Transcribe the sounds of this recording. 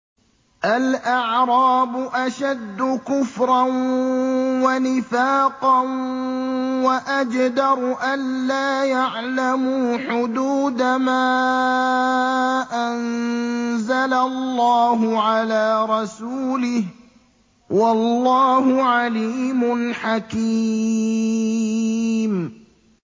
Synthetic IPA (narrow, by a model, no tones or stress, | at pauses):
ʔalʔaʕɾˤɑːbʊʔaʃad̪ːʊkʊfɾˤɑn | wanɪfaːqɑn | waʔad͡ʒd̪ɑɾˤʔanːaːjaʕlamuːħʊd̪uːd̪amaː | ʔan | zalallːɑːɦʊʕalaːɾˤɑsuːlɪh | wɑlːɑːhʊʕaliːmʊnħaki | m